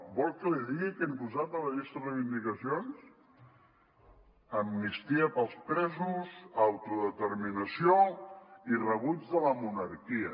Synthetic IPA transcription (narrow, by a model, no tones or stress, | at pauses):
bɔlkəliðiɣikɛmpuzat̪̚ələɣest̪ərejβind̪ikəsions | əmːist̪iəpəlˠspɾɛzuzawt̪uðət̪əɾminəsio | irəβud͡zðələmunəɾkiə